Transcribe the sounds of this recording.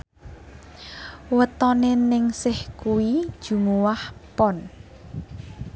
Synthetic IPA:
wət̪ɔnenɪŋsɪhkuwid̥ʒ̥ṳmuwahpɔn

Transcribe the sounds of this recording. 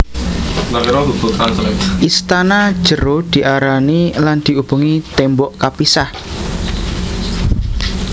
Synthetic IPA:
nakiɾɔbub̥ut̪ant̪əɾɛkʔist̪anḁʒ̥əɾod̪̥i̤ʔaɾaniland̪̥i̤ub̥uŋit̪ɛmbɔʔkapisah

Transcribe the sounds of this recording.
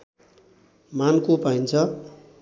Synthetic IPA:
mankopaint͡sʰʌ

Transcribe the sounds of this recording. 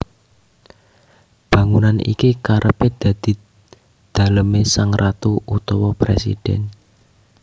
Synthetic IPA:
b̥ä̤ŋunanʔḭkikaɾʔəped̪̥ä̤d̪̥i̤ | d̪̥a̤ləmesaŋrʔat̪uut̪ɔwɔpɾḛsḭd̥ɛn

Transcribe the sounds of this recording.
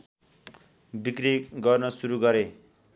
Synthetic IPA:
bikriɡʌrnʌsuɾuɡʌɾe

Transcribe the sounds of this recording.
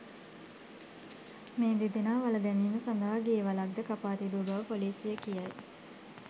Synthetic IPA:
meːd̪id̪enaːʋaləd̪ɛmiːməsand̪ɐɦaɡijʋalak̚d̪əkapaːt̪ibubəʋəpoliːsjəkijaj

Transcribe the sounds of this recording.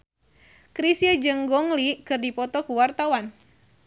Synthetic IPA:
kɾisiəd͡ʒɨŋɡɔŋlikɨrdipɔt̪ɔkuwart̪awan

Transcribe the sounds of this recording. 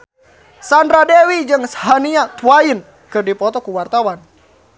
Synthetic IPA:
sandɾadewid͡ʒɨŋshaniat̪uwain | kɨrdipɔt̪ɔkuwart̪awan

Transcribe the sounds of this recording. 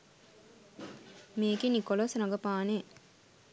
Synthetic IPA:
meːkinikolosnɐɡɐpaːne

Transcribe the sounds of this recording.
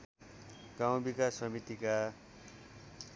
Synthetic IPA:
ɡ̥aw̃bikasʌmit̪ika

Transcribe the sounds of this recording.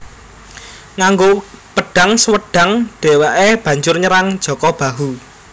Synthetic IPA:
ŋaŋɡopəɖ̥a̤ŋsəwəɖ̥a̤ŋɖ̥e̤waʔeb̥ä̤ɲd͡ʒʊrɲəɾaŋ̥ʒ̥ɔ̤kɔb̥a̤ɦu

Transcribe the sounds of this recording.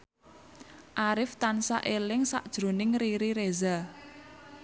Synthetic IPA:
ʔaɾɪft̪ansa̰ʔelɪŋsa̰ʔd̥ʒ̥ɾo̤nɪŋriɾiɾeza

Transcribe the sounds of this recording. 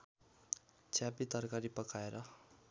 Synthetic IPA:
t͡sʰjapit̪ʌrkaɾipʌkʰaeɾʌ

